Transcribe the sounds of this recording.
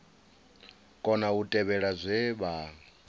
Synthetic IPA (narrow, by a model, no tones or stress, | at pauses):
kʼɔnautʼɛβɛɺazʷɛβa